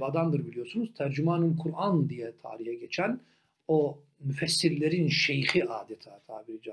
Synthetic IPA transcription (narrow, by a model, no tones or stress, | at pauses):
bad̪and̪ɯɾbilijo̞ɾsunuz̥t̪ʰæɾd͡ʒymaːnɯmkʰuɾʔand̪ijɛt̪ʰa̰ːɾihɛɟet͡ʃʰæn | o | myfɛsːiɾlʲeɾinʃejxiʔaːd̪ɛt̪ʰaːt̪ʰa̰ːbiɾd͡ʒa